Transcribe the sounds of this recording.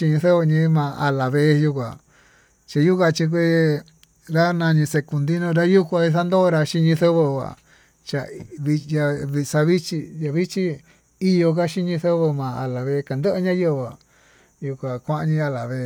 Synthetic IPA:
ʃi˧ɲĩ˧θo˦βə˧ɲĩ˧˦mã˨a˧la˨βe˧˦˧ju˧kʷa˨ | t͡ʃa˧ju˦kʷa˧t͡ʃĩ˧k̬ʷe˦ | ɾa˦nã˧ɲĩ˧se˧ku˧nd̪i˦nõ˧ɾa˦ju˦kʷa˧i˧sa˦nd̪o˦ɾa˧ʃi˦˧ɲĩ˧θo˦βə˧ɣa̰˨ | t͡ʃa˧βi˧ja˧βi˧sa˧βi˦t͡ʃi˧ja˧βi˦t͡ʃi˦ | i˦jo˧ka˦ʃi˦ɲĩ˧θo˦βə˧mã˨a˨la˨βe˧˦˧ka˨nd̪ə˦ʔɲã˦jə˦˧βa˨ | ju˧kʷa˨kʷã˦ʔa˧ɲĩ˧a˧la˨βe˧

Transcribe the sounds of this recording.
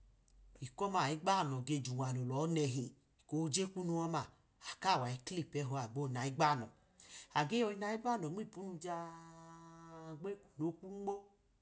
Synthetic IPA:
i˨kɔ˦ma˨i˨˦ɡ͡ba˦˨nɔ˨ɡe˧d͡ʒu˨wa˨no˨lɔ˨˦nɛ˧ɦe˨ | ko˧˦˧d͡ʒe˦ku˦nu˧wa˦ma˨ | a˨ka˦˨wa˨i˦kli˦˨pɛ˧˦ɦo˧a˨ɡ͡bo˦˧na˨i˦ɡ͡ba˦˨nɔ˨ | a˨ɡe˦ɔ˧i˧na˧i˦ɡ͡ba˦nɔ˨m˦i˦˨pu˦nu˧d͡ʒa˧˨ | ɡ͡be˦ku̥˨no˨˦ku˦ŋ͡mɡ͡bɔ˦

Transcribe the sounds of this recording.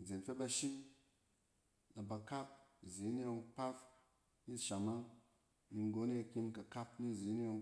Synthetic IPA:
d͡ze˨nfe˦ba˧ʃi˦m | na˨ba˨ka˦p̚zi˨˦ni˦jo˧ŋpa˦f | i˦ʃa˨ma˦ | ni˧ŋ˦ɡo˧˦ne˦˧ki˧mka˨ka˦pni˦˨zi˨˦ni˦jo˧ŋ

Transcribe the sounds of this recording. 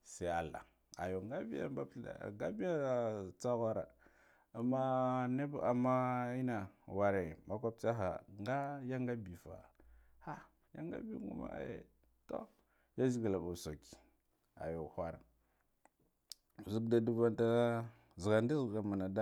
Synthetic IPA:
sa˦˨a˨la̰˨ | a̰˨jo˨ŋɡa˦bi˦ja̰˦mba˦pa̰˨ɡa˦bi˦ja˦˨t͡sa˦ɣʷa˦ɾa˨ | a˨ma˦ne˦ba˨ma˦i˦na˨wa˨ɾe˨ma˦kʷa˦p̚t͡ʃa˦ɦa̰˨ŋɡa˦ja˦ŋɡa˦bi˨fa̰˨ | ha˦ | ja̰˦ŋɡa̰˦bḭ˦ŋɡṵ˦ma̰˨a̰˦jḛ˨ | to̰˦ | ja˦zi˦ɡa˨la˨ba˨so˨ki̥˨ | a̰˨jo˨xʷa˦ɾa˨ | zu˦kda˨du˦va˦nta˦ | zi˨ɡa˨ndi˦˨ɡa˨ma˨na˨da˦

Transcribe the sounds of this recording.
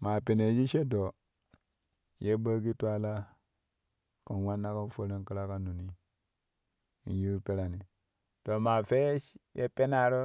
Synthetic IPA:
ma˨pe˨ne˨d͡ʒi˦ʃe˦do˨ | je˦bə˦ki˦tu˦a˦la˦ | kə˨n˨wa˦nːa˦ka˦fə˦ɾa˦ŋ˦ki˦ɾa˦ka˦nu˨ni˦ | ḭ˨n˦ji˦pe˦ɾa˨ni˨ | to˨ma˨fe˦jḛ˦pe˦na˦˨ɾo˦

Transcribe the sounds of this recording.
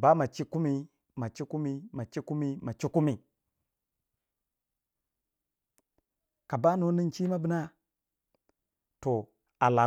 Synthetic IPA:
ba˦ma˨t͡ʃi˦ku˦mi˦ | ma˨t͡ʃi˦ku˦mi˦ma˨t͡ʃi˦ku˦mi˦ma˨t͡ʃi˦ku˦mi˨ | ka˨ba˦no˦ni˦nt͡ʃi˦ma˦bi˨˦na˦ | to˨ | a˨la˨

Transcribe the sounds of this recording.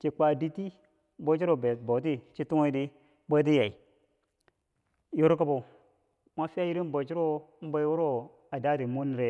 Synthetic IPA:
t͡ʃi˨kʷa˨di˦ti˦ | bo˦t͡ʃi˦ɾo˨be˨bo˨t̬i˦t͡ʃi˦tu˦ŋo˦di˦ | bə˦t̬i˦ja˨i˨ | jo˦ɾka˦bo˨ | mʷa˦fi˦a˦ji˦ɾi˦n˦bo˨t͡ʃi˦ɾo˦m̩˦ba˦jwu˦ɾo˦ | a˨da˦ɾi˨mu˦n˨ɾe˨˦

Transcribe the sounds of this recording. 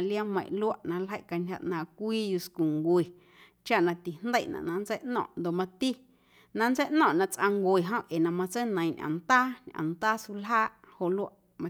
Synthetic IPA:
lja˦mə̃˧˨ʔlu˦a˦ʔnã˧lɦə˦˨ʔka˧nʲa̰˧ʔnãː˨kʷiː˦ju˧sku˨ŋɡwe˨ | t͡ʃa˦ʔnã˧t̪i˨nd̪ə˦˨ʔnã̰˨ʔnã˧nd͡zə˦ʔnɔ̰̃ː˧˨ʔnd̪o˨ʔmã˧t̪i˦ | nã˧nt͡sə˦ʔnɔ̃ː˧˨ʔnã˧ʔt͡sʔã˧ŋɡwe˨ɦõ˦ʔe˨nã˧mã˧t͡se˦nə̃˨j̃ɲʔã̰˨nt̪aː˦ɲʔã̰˨nt̪aː˦su˧lɦaː˦ʔho˨ʔlu˦a˦ʔ | mã˧

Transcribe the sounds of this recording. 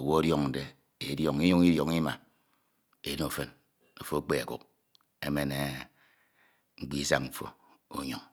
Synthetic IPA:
o˨wo˦o˦djɔ˦ŋn̩˨de˨ | e˨djɔ˦ŋi˦ɲu˦ŋi˦djɔ˨ŋi˦ma̰˨ | e˨˦no˨fe˦n | o˨fo˦k͡pe˦a˨kṵ˨k | e˦me˨ne˨ | ŋ͡m̩˦k͡pi˦sa̰˦ŋm̩˨fo̰˦o̰˨ɲo˨ŋ

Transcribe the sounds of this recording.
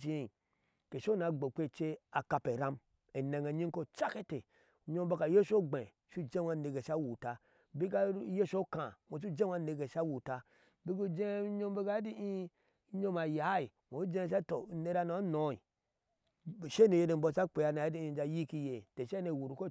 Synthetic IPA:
d͡ʒi˦˨ | ke˨ʃo˦na˨ɡ͡bo˨k͡pe˦t͡ʃe˦a˨ka˨pe˨ɾa˦m | e˨ne˨ŋe˨ɲi˦ko˦t͡ʃa˦ke˦te˨ | ɲo˦m˦ba˦ka˨je˦ʃo˦ɡ͡be˨ | ʃu˦d͡ʒe˦wa˦˨ne˨ɡe˨ʃa˦wu˨ta˨ | bi˦ka˦je˦ʃo˦kã˨mo˨t͡ʃ̬u˦d͡ʒe˦a˦ne˨ɡe˨ʃa˦wu˨ta˦ | bi˦ɡu˦d͡ʒe˦ɲo˦m˦be˦ɡa˦di˦i˦ | ɲo˦ma˨ja˨˦i˨ | mo˨˦d͡ʒe˦˨ʃ̬a˦to˨ne˦ɾa˦no˨a˦no˨˦i˨ | ʃe˦ne˨je˨de˨m̩bo˦˨t͡ʃa˦k͡pe˨a˦na˨jdi˦i˨˦d͡ʒa˨˦ji˦ki˦je˨te˨ʃe˦ne˨wu˨ɾu˨ko˦

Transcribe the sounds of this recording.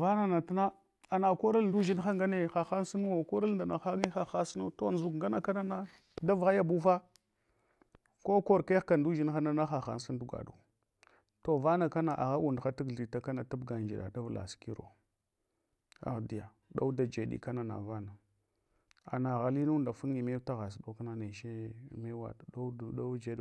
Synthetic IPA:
va˦na˨na˨ta˦na˦ | a˨na˨ko˦ɾa˦lndu˦d͡ʒi˦n˦xa˦ŋɡa˦ne˦xa˨xa˦n˦si˦n˦wo˨ko˦ɾa˦lnda˨na˨xa˦ŋi˦xa˨xa˦sno˦to˦n˦zu˨kŋɡa˦na˦ka˦na˦na˦ | da˦vɣa˦ja˨bu˦fa˦ | ko˦ko˦ɾke˦xka˨ndu˦d͡ʒi˦n˦xa˦na˦na˦xa˨xa̰˦n˦si˦n˦du˦ɡa̰˨ɗṵ˨ | to˨va˦na˨ka˦na˨ʔa̰˨ɣa˦wu˨ndxa˦ti˦ɡi˨ta˦ka˦na˨ta˦bɡa˨nd͡ʒi˨ɗa̰˨da˦vla̰˨ski˦ɾo̰˨ | a̰˨ɣdi˨ja˨ | ɗa̰˦u˦da˨d͡ʒe˨ɗḭ˨ka˦na˨na̰˨va˦na˨ | a̰˨na˨ɣa˨li˦nu˦nda˨fu˦ŋi˨me˦ta˦ɣa˨s̬ɗo˦ka˦na˨ne˨ʃe˦˨me˦wa̰˨a˦˨a˦d͡ʒe˨˦d

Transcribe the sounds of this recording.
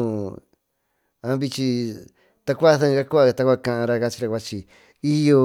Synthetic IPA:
ã˧˦βi˧t͡ʃi˧ | t̪a˧kʷa˦ðã˦˧a˦ku˦a˧t̪a˧kʷa˦˧kã˧ʔã˧ɾa˧ka˧t͡ʃi˧ɾa˧kʷa˧t͡ʃi˧ | i˦jo˧

